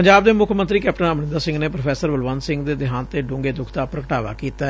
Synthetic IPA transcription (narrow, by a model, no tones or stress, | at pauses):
pəɲd͡ʒaːb̚d̪eːmʊkʰmənt̪ɾiːkɛːpʈənəmnɪ̃nd̪aːsɪ̃ŋɡneːpɾopʰɛːsəɾbəlʋaːnsɪ̃ŋɡd̪eːd̪ɪɦãːnt̪eːɖʊ̃ːŋɡeːd̪ʊkʰt̪aːpɾəkəʈaːʋa̰ːkiːt̪aɛ